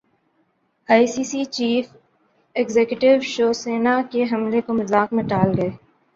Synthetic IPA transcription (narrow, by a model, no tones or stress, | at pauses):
aːisiːsiːt͡ʃiːf | ɛɡzeːkjʊʈɪʋʃoːseːnakeɦɐmlekomɐzaːkmẽʈaːlɡɐeː